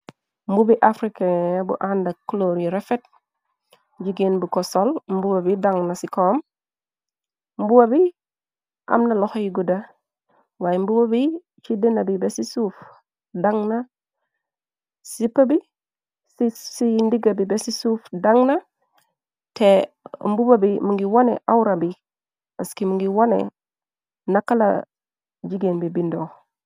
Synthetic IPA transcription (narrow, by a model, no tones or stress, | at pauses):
mbubiʔafɾikabṵʔandakːloɾiɾɛfet̚ | d͡ʒiɡenbukɔsolmbuwabidaŋnasikɔːm | mbuwabi | ʔa̰mnalɔxɔjiɡuda | wajmbubobi | t͡ʃidenabibesisuf | daŋna | sipːabi | sisindiɡabibesisuːfdaŋna | te | mbubabimuŋɡiwonḛʔawɾabi | paskimuŋɡiwonḛ | nakːala̰ | d͡ʒiɡenbibindoː